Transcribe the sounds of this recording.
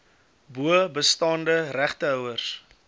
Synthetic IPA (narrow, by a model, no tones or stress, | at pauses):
buəbəstɑːndəræχtəœwərs